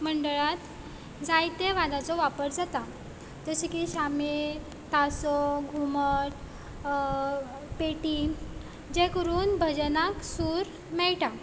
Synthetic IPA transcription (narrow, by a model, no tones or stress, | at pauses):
məɳɖəɭat̪ | d͡zajt̪eʋad̪at͡sɔʋapəɾd͡zat̪a | t̪əɕikiɕame | t̪asɔɡʱuməʈ | peʈi | d͡ʑekəɾuːnbʱəd͡ʑnaksuːɾ | mɛɭʈa